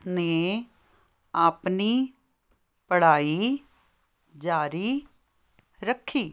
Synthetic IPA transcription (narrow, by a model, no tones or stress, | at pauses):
neː | aːpniː | pəɽ̤aːiː | d͡ʒaːɾiː | ɾəkʰːiː